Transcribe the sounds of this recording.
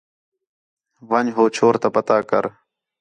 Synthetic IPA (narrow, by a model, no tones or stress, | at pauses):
ʋəɲɦoːt͡ʃʰoːɾt̪aːpət̪aːkə̰ɾ